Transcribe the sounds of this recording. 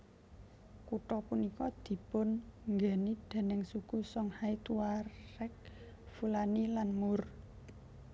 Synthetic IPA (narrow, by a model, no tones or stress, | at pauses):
kuʈɔpunikɔd̪̥i̤pʊnŋɡenid̪̥e̤nɛŋsuɡ̥usɔŋhait̪uwaɾɛk̚ | fulanilanmur